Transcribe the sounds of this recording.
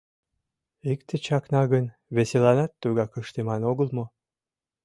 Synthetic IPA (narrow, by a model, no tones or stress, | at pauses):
ek̚t̪ʰet͡ɕɑknɑɣən | βeselɑnɑt̪ːuɣɑkə̆ʃt̪emɑnoɣə̆lmo